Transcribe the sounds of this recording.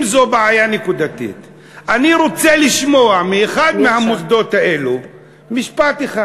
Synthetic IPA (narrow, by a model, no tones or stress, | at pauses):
mzobeʕajanekud̪at̪ḭt̪ | ʔaniɾot͡seliʃmo̞amieχad̪mehamosd̪o̞t̪haʔe̞lu | miʃpat̪eχa